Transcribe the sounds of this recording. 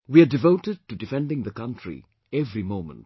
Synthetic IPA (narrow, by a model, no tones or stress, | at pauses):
wiaɖɪvoʊʈɪɖ̚ʈudɪfɛ̃nɖɪ̃ŋd̪əkʌ̃ntɾḭ | ɛvɾimõʊ̃mə̰̃nt̚